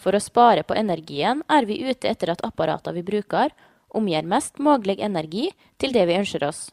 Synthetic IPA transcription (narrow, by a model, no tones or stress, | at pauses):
fɔɾoːspɑːɾəpʰo̰ːʔɛnæɾɡiːənæːɾʋiːʔʉːt̪əɛt̪ːəɾɑt̪ʰɑpɑɾʔɑ̰ːt̪ɑʋiːbɾʉːkɑɾ | ʔʊmjeːɾmɛst̪moːɡlɛɡɛnæɾɡiː | t̪ʰɪld̪ɛʋɪːœnʃəɾʔɔs